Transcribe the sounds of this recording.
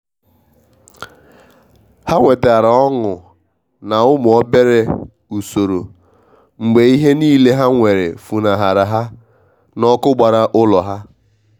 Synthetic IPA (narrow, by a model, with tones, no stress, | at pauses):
ha˦ŋʷe˨ta˨ɾa˨ɔ˦ŋʊ˨ | na˨ʊ˦mʊ˨ɔ˦be˦ɾe˦ | u˨so˨ɾo̰˨ | ŋ͡m̩˨ɡ͡be˨i˦ɦe˦niː˦le˦ɦa˦ŋʷe˨ɾe˨fu˨na˨ɦa˨ɾa˨ɦa˦ | nɔ˦kʊ˦ɡ͡ba˨ɾa˦ʔʊ˦lɔ˨ɦa˦